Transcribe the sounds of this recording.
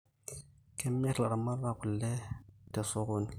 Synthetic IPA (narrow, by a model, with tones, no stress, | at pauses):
kʰe˦mːe˦a˨ɾa˨ma˦rːa˦˨ku˨lːe˦te˨so˦ko˦ni˨